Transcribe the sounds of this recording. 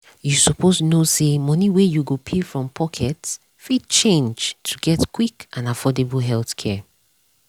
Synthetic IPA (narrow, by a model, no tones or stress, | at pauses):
jusɔpʰosnosemʌniwɛjuɡopʰefɹɔ̃mpʰɔkʰɛts | fid̚t͡ʃẽnd͡ʒtʰuɡɛtkw̥ikʔãnafɔdebəlɦɛlθkʰɛ